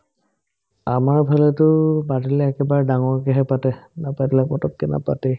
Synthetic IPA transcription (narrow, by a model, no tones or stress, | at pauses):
amaɹbʱalɛtʊbatilɛːkɛbaɹdaŋɔɹkɛɦɛpatɛnapajdilɛkmɔtɔt̚kɛna̰patɛ